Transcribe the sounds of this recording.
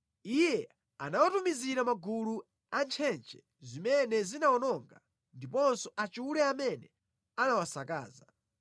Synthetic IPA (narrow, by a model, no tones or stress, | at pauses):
ijɛ | anawatumiziɾamaɡulu | ant͡ʃʰɛnt͡ʃʰɛ | zimɛnɛzinawɔnɔŋɡa | ndipɔnsɔʔat͡ʃuuɾɛamɛnɛ | anawasaka̰ːza